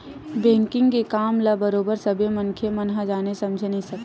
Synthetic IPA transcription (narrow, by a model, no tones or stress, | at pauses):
bɛ̃ːŋkɪ̃ŋɡkekaːmlabəɾoːbəɾsɐbʱemɐŋkʰemɐnɦad͡ʒaːnesɐ̃md͡ʒʱenəɦĩsɐk̪ː